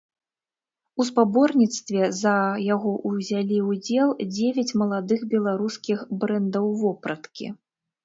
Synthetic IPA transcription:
uspabɔrnʲit̪st̪vʲɛzɐjaɣɔʔuzʲalʲiwud͡zʲɛlˠd͡zʲevʲɐt͡sʲmɐlˠad̪ɨxbʲɛlˠaɾuskʲixbɾɛnd̪ɐwvɔpɾɐt̪kʲḭ

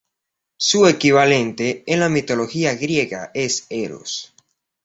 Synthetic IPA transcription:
suekiβale̞nt̪eːnlamit̪o̞lo̞xiaɣɾje̞ɣa̰eseɾo̰s

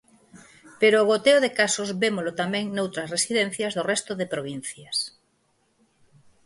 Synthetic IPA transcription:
peɾoːɣ̞ot̪eoðekasozβemolot̪amɛ̃ŋnowt̪ɾɐsresiðɛ̃n̟θjɐzðorɛst̪ʊðepɾoβ̞in̟θjɐs

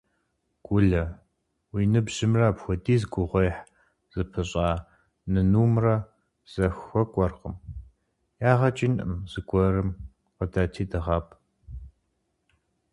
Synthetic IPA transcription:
ɡ̥ʷʊɮɐ | wiːnɨbʑɪmraːpxʷɔdiːzɡʷʊʁʷejħ | z̥ɨpʰɨɕʼaː | nɨnuːmrɐ | z̥ɐxʷɔkʷʼɔrqəm | jaːʁɐt͡ʃʼinʔɨ̰mzɨɡʷʼɔrɨm | qədaːtʰiːdɨʁɑpʰ

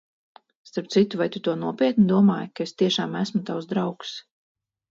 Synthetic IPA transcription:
st̪aɾp̚t̪sit̪uvajt̪ut̪uɔnuɔpʲiɛt̪nid̪uɔmaːjkaest̪iɛʃaːmæsmut̪awzd̪ɾawks

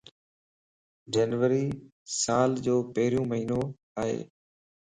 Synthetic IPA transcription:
d͡ʒəːnʋəɾiː | saːld͡ʒoːpəɦɪɾijũːməɦiːnoː | aːɦḛː

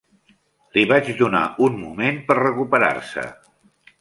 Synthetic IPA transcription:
liβad͡ʒd̪una̰unmumenpəɾrəkupəɾa̰rsə̰

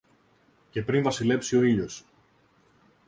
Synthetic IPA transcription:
ce̞pɾinvɐsile̞psio̞iʎo̞s

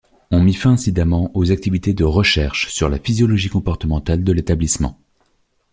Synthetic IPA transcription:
ɔ̃mifɛ̃ɛ̃sid̪amɑ̃ʔozak̚t̪ivit̪ed̪əʁəʃɛʁʃsyʁlafizjɔlɔʒikɔ̃pɔʁt̪əmɑ̃t̪ald̪əlet̪ablismɑ̰̃

